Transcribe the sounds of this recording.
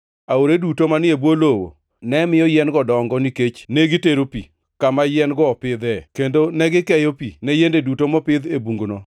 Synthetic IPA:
aoɾedutomanɪebwolowo̰ | nɛmɪjɔjɛnɡɔdɔŋɡɔniket͡ʃneɡiteɾopḭ | kamajɛnɡɔpɪd̪ɛkendonɛɡɪkɛjɔpinɛjendedutomɔpɪd̪ebuŋɡnɔ

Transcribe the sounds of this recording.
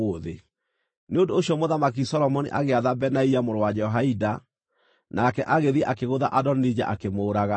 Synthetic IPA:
oðe | neondoɕjɔmoðamak̬isɔlɔmɔnḭʔaɣeaðabɛnaiamoɾwad͡ʑɛɔɦaida | nʔakɛʔaɣeðiɛʔakeɣoðaʔadɔnnid͡ʑa̰ʔakemoːɾaɣa

